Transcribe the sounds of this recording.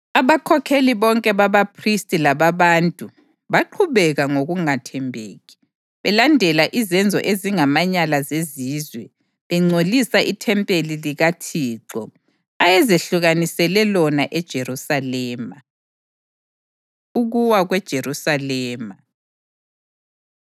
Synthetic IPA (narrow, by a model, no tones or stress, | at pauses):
aβakʰɔkʰeliβɔŋkʼɛβaβapʰristʼilaβaβaːntʼu | βaǃʰuβɛɣaŋoɣuŋatʰɛmbʱeːɣi̥ | βɛlandʱɛlaʔizɛnd͡zʱɔ̰ʔeziŋamaɲalazeziːzwɛ | βɛŋ͡ǀʱolisaʔitʰɛmpʼeliliɣatʰiːǁɔ | ajɛzeɬuɣanisɛlɛlɔnaʔɛd̥ʒ̥ʱerusalɛːma | uɣuwaɣwɛd̥ʒ̥ʱerusalɛːma